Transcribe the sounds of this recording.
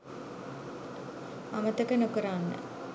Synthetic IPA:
amət̪əkənokəɾanːə̰

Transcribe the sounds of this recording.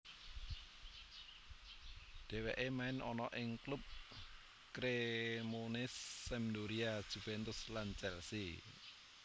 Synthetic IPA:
ɖ̪̥ɛ̤weʔemaɪnɔnɔʔɪŋklʊp̚ | kɾemonɪsːɛmd̪oɾiḁʒ̥ṳfɛnt̪ʊslant͡ʃɛlsi

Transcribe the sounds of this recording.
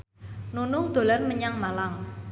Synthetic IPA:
nunʊŋd̪̥o̤lanməɲaŋmalaŋ

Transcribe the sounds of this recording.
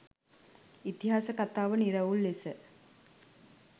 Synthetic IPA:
it̪iɦaːsəkat̪aːʋəniɾəulːesə

